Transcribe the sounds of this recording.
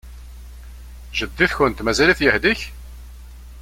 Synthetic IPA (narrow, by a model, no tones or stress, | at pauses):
ʒəd̪ːiθçənt̪mæzæliθjəhd̪iç